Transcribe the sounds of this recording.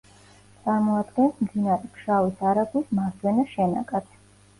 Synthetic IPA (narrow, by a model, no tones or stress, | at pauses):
t̪sʼaɾmɔad̪ɡɛnsʰmd̪inaɾɛpʃavisaɾaɡwismaɾd̪wɛnaʃɛna̰ɡʼat̪ʰ